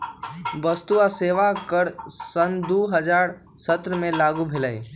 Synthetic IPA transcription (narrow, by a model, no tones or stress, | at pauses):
bəst̪uaseːʋakəɾsənd̪uːɦəd͡ʒaːɾ | sət̪ɾəmẽlaːɡubʱelaːḭ